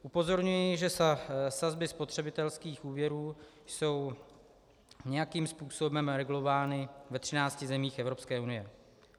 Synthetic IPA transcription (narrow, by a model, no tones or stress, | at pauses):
ʔupo̞zo̞ɾɲujɪʒɛsazbɪspot̪r̝̥ɛbɪt̪ɛlskiːxʔuːvjɛɾuːjso̞w | ɲɛjakiːmspuːso̞bɛmɾɛɡulo̞vaːnɪvɛt̪r̥ɪnaːt͡scɪzɛmiːxɛvɾo̞pskɛːunɪjɛ